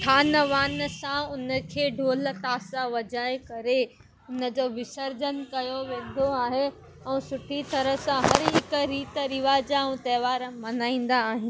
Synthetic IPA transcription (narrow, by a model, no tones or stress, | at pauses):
ʈʰaːnəʋaːnsãʊnə̆kʰeːɖʱoːl̆t̪aːsaʋɐd͡ʑaːekɐɾe | ʊnə̆d͡ʑoːʋɪsəɾd͡ʑənkɐjoʋẽːn̆d̪ʱoaːɦe | ɛ̃ːsʊʈʰit̪ɐɾəsãɦɐɾɦɪkɾiːt̪ɾɪʋaːd͡ʑãt̪ɛːʋaːɾmɐnaːĩːn̆d̪aːɦɪn